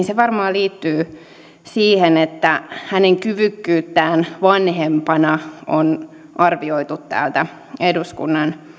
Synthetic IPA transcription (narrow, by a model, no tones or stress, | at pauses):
nseʋɑrmɑːliːt̪ːyː | siːhenet̪ːæhæneŋkyʋykːyːt̪ːæːnʋɑnhempɑnɑʔon | ʔɑrʋioit̪ut̪tæ̰ːlt̪æ | eduskṵnːɑn